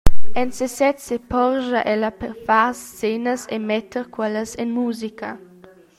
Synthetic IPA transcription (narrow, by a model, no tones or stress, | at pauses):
ɛnsesɛt̪sepɔʁʒaʔɛlɐpɛɾfast͡senəsḛmɛt̪ʰːəɾkwɛləsɛnmuːzikɐ